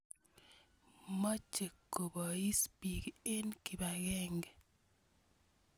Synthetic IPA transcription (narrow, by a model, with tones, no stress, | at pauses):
mɔ˦t͡ʃe˨kːo˨bɔ˨i˦spi˨ke˦nki˨ba˨ɣɛ˦ŋɡ